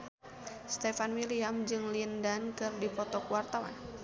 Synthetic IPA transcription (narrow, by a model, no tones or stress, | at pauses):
st̪ɛfanwiliamd͡ʒɨŋlindankɨrdipɔt̪ɔkuwart̪awa̰n